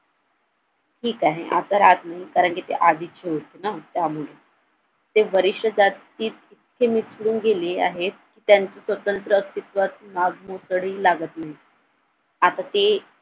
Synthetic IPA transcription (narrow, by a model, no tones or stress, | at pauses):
ʈʰiːkaɦḛʔa̰t̪aɾat̪naɦikaɾəɳkit̪ḛʔad̪iːt͡ɕʰeut̪enət̪jamuɭe | t̪eʋəɾiʂjəd͡zat̪ː | iːt̪̚it̪kʰemit͡sɽuːnɡelea̰ɦet̪̚kiːt̪jaɲt͡sesʋət̪ənt̪ɾəːt̪it̪ʋat̪naɡmosɽiːlaɡət̪naɦi | at̪at̪e